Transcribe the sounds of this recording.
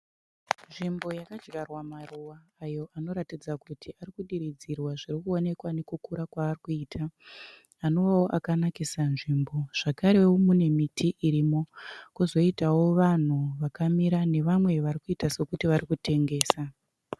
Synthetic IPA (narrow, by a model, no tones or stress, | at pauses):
nʐimbo̞jakad͡ʒɡarwamaruwaːjo̞ʔano̞ɾatid͡zakutʰiarikuɗiɾid͡zirwaʐirikuo̞ne̞kwane̞kukuɾakwaːrikuiːtʰaː | no̞ʋawo̞ʔakanakisanʐimbo̞ʐ̥akaɾe̞womune̞mitʰiʔiɾimo̞kuzo̞itawo̞ʋan̤uʋakamiɾane̞ʋamwe̞ʋaɾikuitase̞kutiʋarikute̞ŋɡe̞ːsa